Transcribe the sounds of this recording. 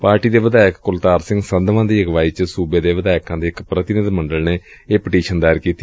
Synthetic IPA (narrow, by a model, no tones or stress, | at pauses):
paːɾʈiːd̪eːʋəd̪aːɪkkʊlt̪aːɾsɪ̃ŋɡsənd̪ʋãːd̪iːəɡʋaːiːt͡ʃsuːbeːd̪eːʋəd̪aːɪkãːd̪eːɪkpɾət̪ɪnɪd̪mə̃ɳɖəlneːeːpɪʈiːʃənd̪aːɾkiːt̪i